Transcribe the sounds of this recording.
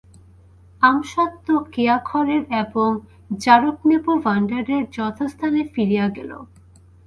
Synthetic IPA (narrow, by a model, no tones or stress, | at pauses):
amʃɔt̪ːokeakʰɔɾeɾeboŋ | d͡ʑaɾoknepubaɳɖaɾeɾd͡ʑɔt̪ʰost̪ʰanefiɾijaɡɛ̰lo̰